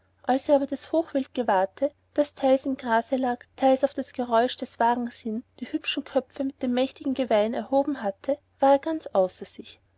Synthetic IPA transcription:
ʔalseːɐaːbɐdashoːxv̥ɪlt̚ɡ̥əvaɐtʰə | d̥astʰaɪlsɪmɡʁaːzəlaːktʰaɪlsaʊfd̥asɡ̥əʁɔʏʃd̥ɛsv̥aːɡŋ̩shɪnd̥iːhʏpʃn̩kʰœpfəmɪt̚d̥eːmːɛçtɪɡŋ̩ɡəvaɪnɛ̰ɐhoːbm̩hatʰə | v̥aːɐeɐɡ̥ant͡sʔaʊsɐz̥ɪç

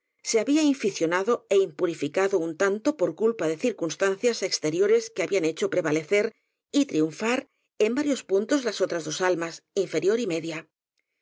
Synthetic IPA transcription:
se̞aβiaiɱfiθjo̞naðo̞e̞impuɾifikaðount̪ant̪o̞po̞ɾkulpaðe̞θiɾkunst̪an̟θjasekst̪e̞ɾjo̞ɾe̞skeaβiane̞t͡ʃo̞pɾe̞βale̞θe̞ɾ | it̪ɾiuɱfaɾ | e̞mbaɾjo̞spunt̪o̞zlaso̞t̪ɾazðo̞salmasiɱfe̞ɾjo̞ɾime̞ðja

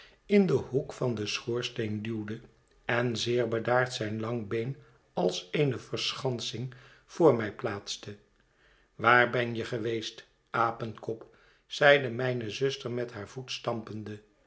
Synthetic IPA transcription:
ɪndəɦukfɑndəsχʊːɹstejndywdə | ɛnzɪːɹbədaːɹtsɛjnlɑŋbejn | ɑlˠsejnəvəɹsχɑnsɪŋ | v̥ʊːɹmɛjplaːtstə | ʋaːɹbɛnjəχəʋejst | ʔaːpənkɔp | sɛjdəmɛjnəzɵstəɹmɛtɦaːɹv̥utstɑmpəndə

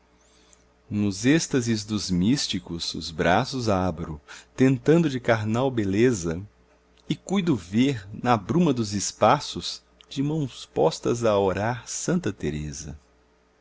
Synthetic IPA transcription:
nʊzest̪ɐzɪzd̪ʊzmist͡ʃikʊz̥ʊ̰zbɾasʊzabɾʊt̪ẽnt̪ɐ̃nd̪ʊd͡ʒɪkaɾnawbelezɐ | ɪkujd̪ʊveɾnɐbɾũmɐd̪ʊzɪspasʊz̥ | d͡ʒɪmɐ̃w̃spɔst̪ɐzɐoɾaɾsɐ̃nt̪ɐt̪eɾezɐ̰

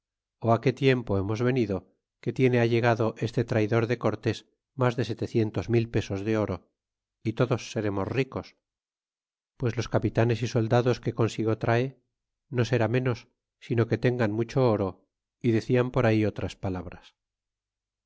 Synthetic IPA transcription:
oake̞t̪je̞mpo̞e̞mo̞zβe̞niðo̞ | ke̞t̪je̞ne̞aʎe̞ɣaðo̞ʔe̞st̪et̪ɾajðo̞ɾðe̞ko̞ɾt̪e̞s | mazðe̞se̞t̪e̞θje̞nt̪o̞zmilpe̞so̞zðe̞o̞ɾo̞ | it̪o̞ðo̞sːe̞ɾe̞mo̞sriko̞s | pwe̞zlo̞skapit̪ane̞siso̞ld̪aðo̞ske̞ko̞nsiɣo̞t̪ɾʔae | no̞se̞ɾamẽ̞no̞sː | ino̞ke̞t̪e̞ŋɡanmut͡ʃo̞oɾo̞ | iðe̞θiampo̞ɾaio̞t̪ɾaspalaβ̞ɾas

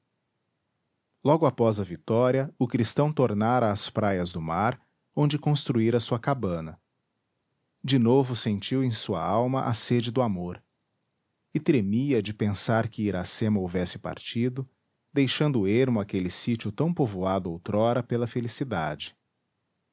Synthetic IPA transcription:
lɔɡʊapɔzɐvit̪ɔɾiɐʊkɾist̪ɐ̃w̃t̪oɾnaɾɐːspɾajɐzd̪ʊmaɾ | õñd͡ʒɪkõst̪ɾuiɾɐsuɐkabɐ̃nɐ | d͡ʒɪnovʊsẽnt͡ʃiwẽj̃suɐ̰awmɐʔa̰sed͡ʒɪd̪ʊamoɾ | ɪt̪ɾemiɐd͡ʒɪpẽsaɾkɪiɾasẽmɐovɛsɪ̥pa̰ɾt͡ʃid̪ʊ | d̪ejʃɐ̃nd̪ʊeɾmʊakelɪsit͡ʃʊt̪ɐ̃w̃povuad̪ʊowt̪ɾɔɾɐpelɐfelisid̪a̰d͡ʒɪ̥

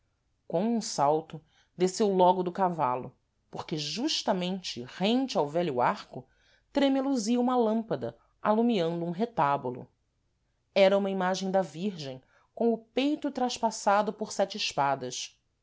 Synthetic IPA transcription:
kõw̃ũsawt̪ʊ | d̪esewlɔɡʊd̪ʊkava̰lʊ̰ | poɾkeʒuʃt̪ɐmẽnt͡ʃɪʁẽnt͡ʃɪawvɛʎʊaɾkʊ | t̪ɾemeluziɐũmɐlɐ̃mpɐd̪ɐ̰ | alumiɐ̃nd̪ʊũɦet̪abʊlʊ̰ | ɛɾɐũmɐimaʒẽj̃d̪ɐviɾʒẽj̃ | kõw̃ʊpejt̪ʊt̪ɾɐʃpasad̪ʊpʊɾsɛt͡ʃɪɪʃpad̪ɐʃ

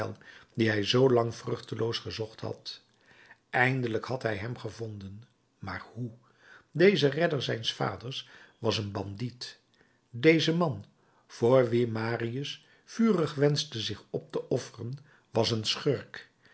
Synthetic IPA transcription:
ɛ̰lˠdiɦɛjzowlɑŋvrɵχtəlowsχəzɔχtɦɑ̰t | ʔɛjndələkhɑtɦɛjɦɛmχəvɔndən | ma̰ːrhu | dejzərɛdəɹzɛjnsfa̰ːdəɹsʋɑsənbɑndit | dejzəmɑn | v̥oːɹʋimaːriəs | fyːrəχʋɛnzdəzɪχɔp̚təʔɔfərən | ʋɑsənsχøɹk

